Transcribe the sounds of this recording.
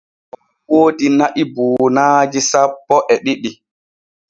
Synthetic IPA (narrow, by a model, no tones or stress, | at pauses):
ɔ | woːdinaʔibuːnaːd͡ʒisapːɔʔɛɗiɗi